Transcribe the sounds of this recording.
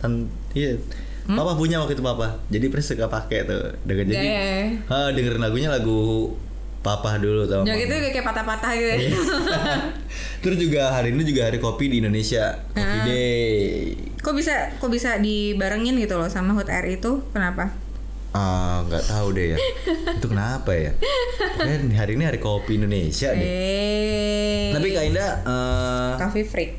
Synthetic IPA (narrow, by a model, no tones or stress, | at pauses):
t̪an | i | papahpuɲaakit̪upapahd͡ʒadipɾɛsəkapakɛt̪ṵ | dəŋənd͡ʒadiaədəŋəɾnlaɡuɲalaɡu | papahdulut̪ad͡ʒakit̪ud͡ʒuɡakajpat̪ahpat̪ahɡ | t̪ɾʊsd͡ʒuɡaɦaɾiːnid͡ʒuɡaɦaɾikopidiːndonesia | kafide | kobisakobisadibaɾəŋɪnɡit̪ulɔsamaɦʊt̪ɛ̰rit̪ukənapa | əŋɡa̰ʔt̪audɛjant̪ukənapaja̰ | niɦaɾiniɦaɾikopiːndonesiaɛe | t̪apikaindaəkafifɾɪk̚